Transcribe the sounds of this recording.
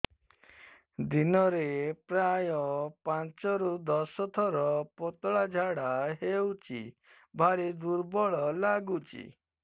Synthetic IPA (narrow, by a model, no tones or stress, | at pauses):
d̪inɔɾepɾajɔpant͡ʃɔɾud̪ɔsɔt̪ʰɔɾɔpɔt̪ɔɭad͡ʒʱaɽaɦewt͡ʃḭ | bʱaɾid̪uɾbɔɭɔlaɡut͡ʃḭ